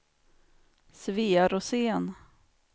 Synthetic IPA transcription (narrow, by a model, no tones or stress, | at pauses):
sviːaɾɔseːn